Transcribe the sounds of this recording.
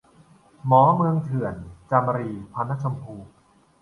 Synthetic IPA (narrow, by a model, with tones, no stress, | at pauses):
mɔː˩˦mɯ˧əŋt̪ʰɯ˨˩˦ənt͡ɕa˧m˧ɾiː˧pʰa˧na˦˥t͡ɕʰa˧mpʰuː˧